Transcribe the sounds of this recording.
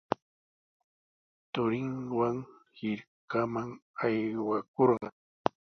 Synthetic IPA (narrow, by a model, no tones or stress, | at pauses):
t̪ʊɾɪŋwaŋhɪɾkamaŋajwakoɾɢɑŋ